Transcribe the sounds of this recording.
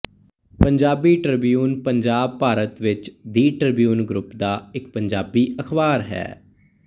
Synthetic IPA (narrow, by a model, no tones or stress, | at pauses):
pəɲd͡ʒaːbiːʈɾɪbijuːnpəɲd͡ʒaːb̚paːɾət̪ʋɪt͡ʃd̪iːʈɾəbijuːnɡɾʊpd̪aːɪk̚pəɲd͡ʒaːbiːəkʰbaːɾɦɛ̰ː